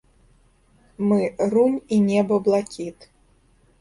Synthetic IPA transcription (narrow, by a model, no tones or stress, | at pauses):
mɨrunʲinʲɛbɐblˠakʲit̪